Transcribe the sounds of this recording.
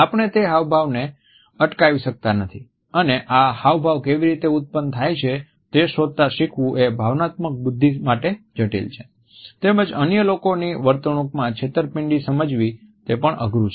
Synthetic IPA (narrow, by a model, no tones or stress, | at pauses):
apəɳ̃et̪eɦaʋbʱaʋne | əʈkaʋiʃək̚t̪anət̪ʰi | əneʔahaʋbʱaʋkeʋiɾit̪eʊt̪̚pənt̪ʰajt͡ʃʰe | t̪eʃod̪̚t̪aʃikʰʋũʔebʱaʋnat̪mək̚bʊd̪ʱːimaʈed͡ʒəʈḛlt͡ʃʰe̥ | t̪eməd͡ʒənjəlokoniʋəɾt̪əɳ̃ũkmãt͡ʃʰet̪əɾpɪɳɖisəməd͡ʒʋi | t̪epəɳə̰ɡɾut͡ʃʰe